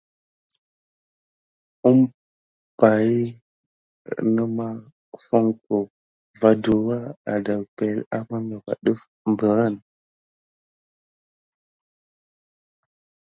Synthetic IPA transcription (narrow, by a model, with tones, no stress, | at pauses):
u˦m | pa˨i˦ | nə˦ma˦ | fo˦ŋko˨ | va˨du˨wa˦a̰˨da˨lpe˨la˦ba˦ŋɡa˨va̰˨ɗə˦f | mbə˨ɾə˦˨n